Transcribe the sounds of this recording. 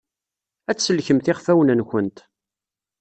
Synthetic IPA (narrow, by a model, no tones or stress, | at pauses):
æt͡sːsəlçəmθɪχfæwənənçənt̪